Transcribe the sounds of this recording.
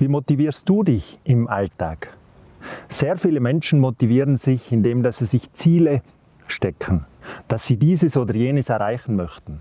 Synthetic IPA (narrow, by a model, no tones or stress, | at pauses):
viːmotiviːst̚d̥uːdɪçɪmʔalta̰ːk | seːʁfiːləmɛnʃn̩motiviːʁənz̥ɪçɪndeːmdasz̥ɪçt͡siːlə | ʃtɛkʰən̩d̥asːiːdiːzəsoːdɐjeːnəsɛɐʁaɪçn̩mœçtn̩